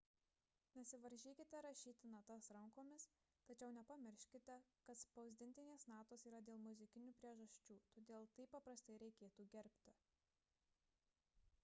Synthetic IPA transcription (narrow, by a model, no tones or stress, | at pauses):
nʲɛsʲɪʋɐɾʲʒʲiːkʲɪt̪ʲɛɾɐʃʲiːt̪ʲɪnɐt̪ɐsɾɐŋkoːmʲɪs | t̪ɐt͡ʃʲɛʊnʲɛpɐmʲɪɾʲʃʲkʲɪt̪ʲɛkɐt̪spɐʊzʲd̪ʲɪnʲt̪ʲɪnʲeːsnɑːt̪oːsiːɾɐd̪ʲeːlˠmʊzʲɪkʲɪnʲuːpʲɾʲiɛʒɐsʲt͡ʃʲuːt̪oːd̪ʲeːlˠt̪ɐɪpːɐpɾɐst̪ɐɪɾʲɛɪkʲeːt̪uːɡʲɛɾʲpʲt̪ʲɪ